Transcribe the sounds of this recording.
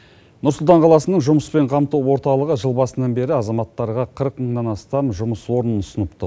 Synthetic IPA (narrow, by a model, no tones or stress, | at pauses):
nʊɾsʊlˠt̪ɑɴqʰɑlˠɑsənəɴʒʊməspe̞ɴqʰɑmt̪uwwo̞ɾt̪ɑlˠəʁəʒəlˠbɑsənɑnbe̞ɾɪɑzɑmɑt̪ːɑɾʁɑqʰəɾəqməɴnɑnɑst̪ɑmʒʊməswo̞ɾənənʊsənəpt̪ə̰